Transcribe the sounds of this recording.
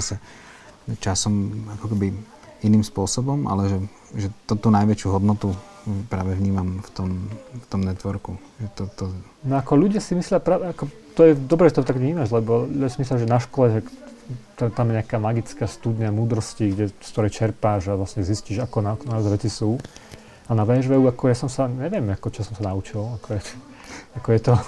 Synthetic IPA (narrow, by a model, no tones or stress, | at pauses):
asɛ | t͡ʃasɔmakɔkɛbi | iniːmspʊɔsɔbɔmʔa̰lɛʒɛ | ʒɛt̪ɔt̪uːnajʋɛt͡ʃɪuɦɔd̪nɔt̪u | pɾaːʋɛʋɲiːmamft̪ɔmft̪ɔmnɛt̪ʋɔɾku | ʒɛt̪ɔt̪ɔ | nɔakɔʎuɟɪasimislɪapɾaːʋɛakɔ | t̪ɔjɛd̪ɔbɾɛʒɛt̪ɔt̪aɡʋɲiːmaʒlɛbɔlujasimislʲjaʒɛnaʃkɔlɛʒakt̪ɛt̪amjɛɲakaːmaɡit͡skaːst̪ud̪ɲamuːd̪ɾɔsciɡɟɛskt̪ɔɾɛjt͡ʃɛɾpaʒaʋlasɲɛzisciːʒakɔnakɔnaɔzɛʋɛt͡sisuː | anaʋɛʒʋɛuakɔjasɔmsaɲɛʋɪɛmakɔt͡ʃɔsɔmsanaut͡ʃilakɔjɛ | akɔjɛt̪ɔ